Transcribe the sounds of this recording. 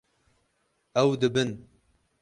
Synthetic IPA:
ɛwd̪ɨbɨn

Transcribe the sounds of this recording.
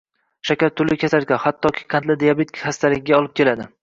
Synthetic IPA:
ʃakʲaɾt̪ʰːʊlɪkʲʰasaɾkʲanhat̪ʰːɒkʲʰi̥qʰant̪lɪd̪ejabet̪ʰʲhast̪ʰalɪɡʲɪɡʲaɒlˠɪp̚kʲʰe̞lad̪ɪ

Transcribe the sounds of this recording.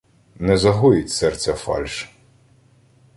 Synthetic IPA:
nɛzɐɦɔjɪtʲsɛrt͡sʲɐfɑ̰lʲʃ

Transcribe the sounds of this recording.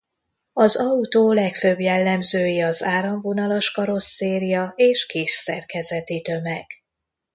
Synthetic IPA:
ɒzɒut̪oːlɛkføbjɛlːɛmzøːjiɒzaːɾɒɱvo̞nɒloʃkɒɾo̞sːeːɾijɒeːʃkeːʃsɛrkɛzɛt̪it̪ø̞mɛɡ̥

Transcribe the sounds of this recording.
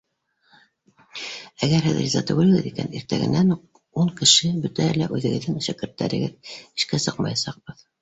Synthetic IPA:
æɡæɾɦɘðɾʲizɑt̪ɵ̆ɡɘ̆lɘ̆ɡɘðikæniɾt̪æɣɘ̰̆næn | uɴkɘ̆ʃɘbɵt̪æælæʔʉðɘ̆ɣɘ̆ðːɘŋʃækɘ̆ɾt̪ːæ̰ɾɘ̆ɡɘði̥ʃkæsɤqmɑjɑsɑq̚bɤð

